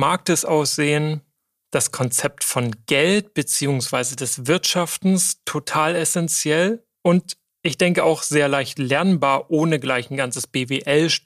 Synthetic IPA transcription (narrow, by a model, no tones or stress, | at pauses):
maːk̚dɛsʔaʊsz̥eːən | d̥askʰɔnt͡sɛp̚tfɔnɡ̥ɛlt̚b̥ət͡siːʊŋsv̥aɪzədɛsv̥ɪɐtʃaftn̩stʰotʰaːlɛsɛnt͡sjɛl | ʔʊnt | ʔɪçd̥ɛŋkəaʊxz̥eːɐlaɪçtlɛɐnbaːɐʔoːnəɡlaɪçn̩ɡant͡səsb̥eːveːʔɛlʃ